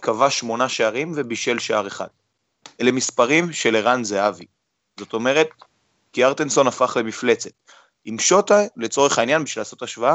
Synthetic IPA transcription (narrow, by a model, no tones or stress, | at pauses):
kavaʃmo̞naʃaaʁimvebiʃe̞lʃaaʁeχa̰d̥ | ʔele̞mispaʁimʃe̞leʁanzeavi | zo̞t̪o̞me̞ʁe̞t̪̚ | kiaʁt̪enso̞nafaχle̞mifle̞t͡se̞t | imʃo̞tale̞t͡so̞ʁeχainjanbiʃvilaːso̞taʃvaa